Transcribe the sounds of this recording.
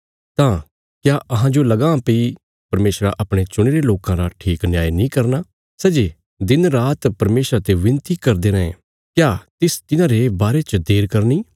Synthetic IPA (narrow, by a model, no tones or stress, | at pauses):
t̪ãː | kjaːɐɦãd͡ʒolɐɡãpei | pɐɾmeːsɾa̰ʔɐpɽ̃et͡ʃʊɽ̃eːɾeloːkãɾaʈʰiːknjaːjnĩːkɐɾnaː | sɛːd͡ʒeː | d̪ɪnɾaːt̪pɐɾmeːsɾat̪eʋɪ̃nt̪ikɐɾd̪eɾəḛ̃ | kjaːt̪ɪst̪ɪnãːɾebaːɾet͡ʃəd̪eːɾkɐɾniː